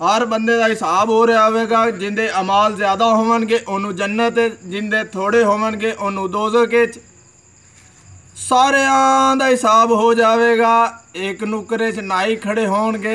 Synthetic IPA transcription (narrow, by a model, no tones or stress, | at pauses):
ɦəɾbənd̪eːd̪aːɦɪsaːbɦoːɾjaːʋeːɡaːd͡ʒɪnd̪eːʔəmaːlzjaːd̪aːɦoːʋənɡeːʔoːnũːd͡ʒənːət̪ːd͡ʒɪnd̪eːt̪ʰoːɽeːɦoːʋənɡeːʔonũːd̪oːzəkeːt͡ʃ | saːɾeːãːd̪aːɦɪsaːbɦoːd͡ʒaːʋeːɡaːɪknʊkɾeːt͡ʃnaːiːkʰəɽeːɦoːɳɡeː